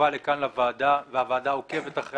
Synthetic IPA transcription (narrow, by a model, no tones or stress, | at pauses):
alekanlavaːdaveavaːdaoke̞ve̞t̪aχʁ